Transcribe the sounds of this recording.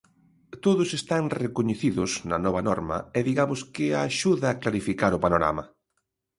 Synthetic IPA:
t̪oðʊsest̪aŋrekoɲeθiðʊznɐ̰nɔβɐnɔɾmɐ̰eðiɣamʊskɪaʃuðaːklaɾifikaɾʊpanoɾa̰mɐ

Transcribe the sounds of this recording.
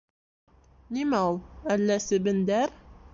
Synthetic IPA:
nimæulˠælːæsɘ̆bɘ̆nd̪æɾ

